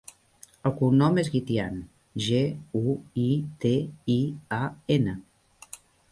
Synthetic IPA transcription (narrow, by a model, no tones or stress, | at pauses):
əlˠkunɔmezɣit̪ian | ʒeuit̪eiaenə